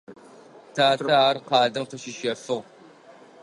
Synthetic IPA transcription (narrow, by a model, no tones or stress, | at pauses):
tʰaːaːrqɑːdɐmfɐʃɪʃɐfɨʁ